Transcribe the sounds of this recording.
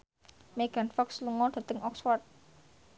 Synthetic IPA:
meɡ̥a̤nfɔksluŋɔd̪̥ä̤t̪əŋʔɔkswart̪̚

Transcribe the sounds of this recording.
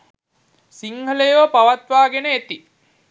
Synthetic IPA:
siŋhələjoːpaʋat̪ʋaːɡenəet̪i

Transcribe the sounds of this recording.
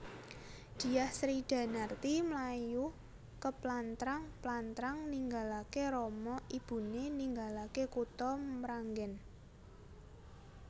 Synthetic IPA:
d̪̥i̤jahsɾid̥a̤nart̪imlaju | kəplant̪ɾaŋplant̪ɾaŋniŋɡalakeɾɔmɔib̥ṳneniŋɡalakekut̪ɔmɾaŋɡɛn

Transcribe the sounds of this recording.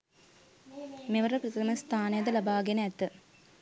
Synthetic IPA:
meʋɐɾɐprɐt̪t̪ɐmɐst̪ʰaːnɐjɐd̪ɐlɐbaːɡenɐɛt̪ːɨ

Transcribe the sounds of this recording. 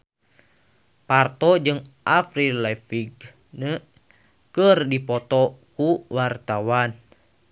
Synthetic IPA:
part̪ɔd͡ʒɨŋʔafɾilɛfiɡ | nə | kərdipɔt̪ɔkuwart̪awan

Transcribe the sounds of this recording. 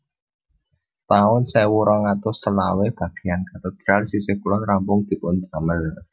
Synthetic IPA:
t̪aʊnsɛwuɾɔŋat̪ʊst̪əla̰web̥ä̤ɡ̥e̤̥jankat̪ed̪̥ɾalsisekulɔnrampʊŋd̪̥i̤pʊnd̪aməl

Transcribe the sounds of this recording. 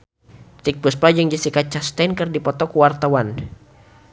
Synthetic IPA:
t̪ik̚puspad͡ʒəŋd͡ʒisikat͡ʃast̪ɛnkɨrdipɔt̪ɔkuwart̪awan

